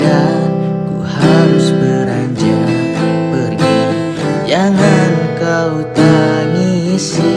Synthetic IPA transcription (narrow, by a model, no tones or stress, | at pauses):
a | kuhaɾʊsbəɾaɲd͡ʒiŋa | pərɡi | d͡ʒaŋankaut̪anis